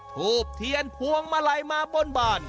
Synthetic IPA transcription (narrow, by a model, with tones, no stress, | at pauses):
t̪ʰuː˨˩p̚t̪ʰi˧ənpʰu˧˥əŋmaː˧la˧jmaː˧bo˧˥˨nbaː˨˩n̚